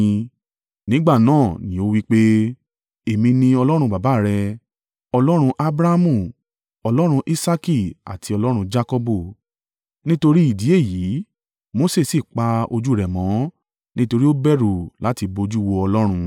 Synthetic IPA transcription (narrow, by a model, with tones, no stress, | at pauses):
nĩ˨˦ɡ͡ba˦˨nãː˦˨nĩ˨˦o˦wi˦k͡pe˦ | e˨mĩ˧nĩ˧ɔ˧lɔ˦ɾ̃ũ˧ba˨ba˨˦˨ɾɛ˧ | ɔ˧lɔ˦ɾ̃ũ˧ʔa˦bɾa˦mũ˦˨ | ɔ˧lɔ˦ɾ̃ũ˧ʔi˦sa˦ki˦˨a̰˨tʰi˨˧ɔ˧lɔ˦ɾ̃ũ˧d͡ʒa˦kɔ˧bo˦˨ | nĩ˦to˧ɾi˦i˦˨di˨˦e˦˨ji˨˦ | mo˨˦se˦˨si˦˨k͡pa˧o˧d͡ʒu˦˨ɾɛ˨mɔ̃˨˦ | nĩ˦to˧ɾi˦o˦bɛ˦ɾu˨la˨˦ti˧bo˧d͡ʒu˦wo˧ɔ˧lɔ˦ɾ̃ũ˧